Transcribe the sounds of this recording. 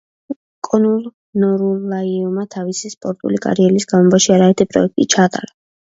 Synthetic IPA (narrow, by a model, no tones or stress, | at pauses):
kʼɔnulˠ | nɔɾulːaiɔmat̪ʰavisispʼɔɾt̪ʼṵlikʼa̰ɾiɛlisɡ̥amɔbaʃiaɾaɛɾt̪ʰipʼɾɔ̰ɛk̚t̪ʼit͡ʃʰaːt̪ʼa̰ɾa